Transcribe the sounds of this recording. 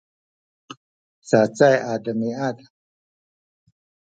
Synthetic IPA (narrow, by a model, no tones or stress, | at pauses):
saːt͡sajaːd̪ɐmiaːd̪a